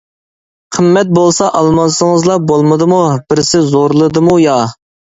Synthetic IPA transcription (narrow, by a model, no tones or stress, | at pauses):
qʰəmːɛt̪̚bolˠsɑʔɑlˠmɑsəŋəzlˠɑbolˠmɨd̪ɨmubɪɾsɪzoɾlˠɨd̪ɨmujɑ